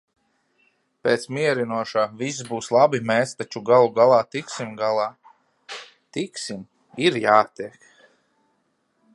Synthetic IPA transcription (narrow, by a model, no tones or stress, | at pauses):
peːt̪smiɛɾinuɔʃaːvis̬buːslˠabimɛːst̪at͡ʃuɡalˠuɡalˠaːt̪iksimɡalˠaː | t̪iksim | iɾjaːt̪iɛk